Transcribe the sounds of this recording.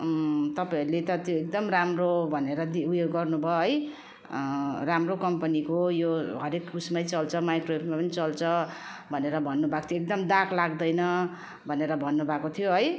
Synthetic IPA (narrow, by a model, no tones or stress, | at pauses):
t̪ʌpãiɾlet̪ʌt̪joekd̪ʌmramrobʱʌneɾʌd̪iujoɡːʌrnubʱʌɦʌj | ramrokʌmpʌnikojoɦʌɾekːusmʌjt͡sʌlt͡sʰʌmajkropmapʌnit͡sʌlt͡sʰʌ | bʱʌneɾʌbʱʌnːubʱakt̪ʰjoek̚d̪ʌmd̪aklaɡd̪ʌjnʌ | bʱʌneɾʌbʱʌnːubʱakot̪ʰijoɦʌj